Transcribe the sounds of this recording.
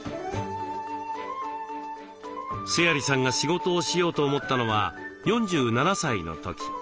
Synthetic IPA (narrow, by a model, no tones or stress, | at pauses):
sɨjaɾʲisãŋɡaɕiɡo̞t̪o̞ːɕijo̞ːt̪o̞ːmo̞t̪ːano̞βajõ̞ɲ̟d͡ʑɨːnanasaino̞̰t̪o̞kʲi̥